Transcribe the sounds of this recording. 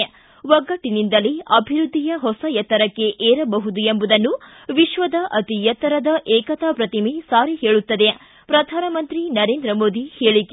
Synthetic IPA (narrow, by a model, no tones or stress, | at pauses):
ʋɐɡːɐʈːinind̪ɐliɐbʱiɾud̪ʱːijɐɦɔsɐjɐt̪ːɐɾɐkːe̞ʔeːɾɐbɐɦud̪uembud̪ɐnːu | ʋiʃʋɐd̪ɐʔɐt̪ijɐt̪ːɐɾɐd̪ɐʔɛːkɐt̪ɐpɾɐt̪imisaːɾihe̞ːɭut̪ːɐd̪e | pɾɐd̪ʱaːnɐmɐnt̪ɾinɐɾe̞ːnd̪ɾɐmoːd̪iheːɭike